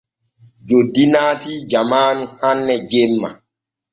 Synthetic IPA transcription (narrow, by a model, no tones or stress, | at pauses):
d͡ʒodːinaːtid͡ʒamaːnhanːɛd͡ʒemːa̰